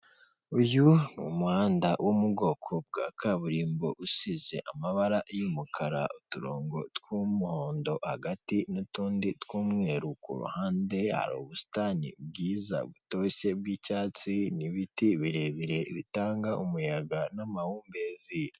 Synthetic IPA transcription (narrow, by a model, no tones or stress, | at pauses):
ujunumuhaːndawʔomuɡo̞ːkʰob̚ɡaːkʰaβuɾiːmbo̞̰ʔusize̞̰ʔamaβaɾaʔjumukʰaɾa̰utuɾoːŋɡo̞tkumuhoːndo̞haɡatinotuːnditkuːmŋe̞ːɾukṵɾṵhaːnde̞ha̰ɾṵβusi̥tanḭb̚ɡiːza̰βuto̞se̞b̚ɡiːcaːt͡siniβitiβiɾe̞βiɾe̞iβitaːŋɡaʔumujaɡanamahuːmbezi